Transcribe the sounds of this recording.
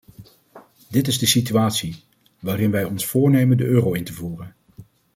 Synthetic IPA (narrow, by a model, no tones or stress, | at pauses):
dɪtɪzdəsityaːtsi | ʋaːɾɪnʋɛjɔnsfʊːɹnejməndəʔøːrowɪntəvuːrən